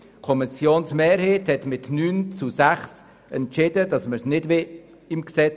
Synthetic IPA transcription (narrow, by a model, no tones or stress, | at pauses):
kʰɔmɪsjoːnsmeːɾheːthɛtmɪtnyːnt͡susæχs | ɛntt͡ʃɪdədɑsməɾsnɪdve | ɪmksɛ